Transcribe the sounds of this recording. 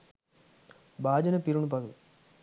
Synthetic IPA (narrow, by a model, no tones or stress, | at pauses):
baːd͡ʒɐnɐpiɾunup̬ɐd̪u